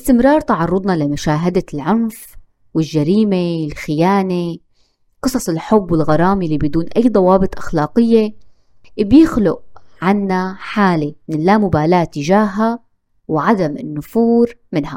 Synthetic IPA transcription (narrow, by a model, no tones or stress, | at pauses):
ɪst̪ɪmɾˤɑːɾˤt̪ɑʕɑrˤːʊd̪ˤnɑlɪmʊʃaːɦɪd̪alʕʊnf | wɪlʒaɾiːmelxɪjaːne | qɨsˤɑsˤɪlħʊbːwɪlɣɑɾˤɑːmilibɪd̪uːnʔajːd̪ˤɑwɑːbɨt̪ˤʔaxlaːqɪjːe | bjɪxlʊʔʕanːaħaːlemɪnlaːmʊbaːlaːt̪ːɪʒaːɦa | wʕad̪amɪnːʊfuːɾmɪnha